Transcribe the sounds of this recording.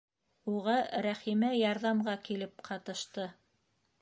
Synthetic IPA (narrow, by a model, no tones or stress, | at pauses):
uʁɑɾæχimæjɑɾðɑmʁɑkilɘp̚qʰɑt̪ɤ̆ʃt̪ɤ